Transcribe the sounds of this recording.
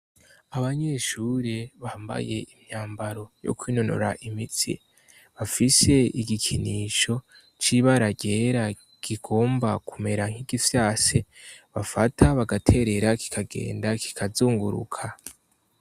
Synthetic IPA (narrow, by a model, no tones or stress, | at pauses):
aβaɲe̞ʃuːɾeβaːmba̰je̞imɲaːmbaɾo̞jo̰kwiːnono̰ɾa̰ʔimitḭ | βafise̞iɡikʰiniʃo̞ | t͡ʃiβaɾaɟe̞ɾa | ɡ̥iɡ̥o̞ːmbakume̞ɾaŋ̥hiɡifjaːseβafatʰaβaɡatʰe̞ɾe̞ɾaki̥kʰaɡḛːndakʰi̥kʰazuːŋɡuɾṵkʰa